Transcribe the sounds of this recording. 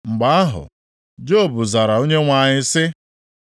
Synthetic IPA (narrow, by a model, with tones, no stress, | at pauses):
ŋ͡m̩˨ɡ͡ba˨a˦ɦʊ̰˨ | d͡ʒo˦˨bʊ˨za˨ɾa˨o˦ɲe˦ŋʷa˨ɲɪ˦sɪ˦